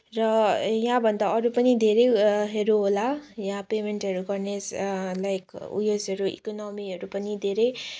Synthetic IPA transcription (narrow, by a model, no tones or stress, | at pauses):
rʌjãbʱʌnd̪aʌɾupʌnid̪ʱeɾejɦeɾuɦolajãpemeɳʈɦʌɾuɡʌrneslajkṵjosʌɾuḭkonʌmiɦʌɾupʌnid̪ʱeɾʌj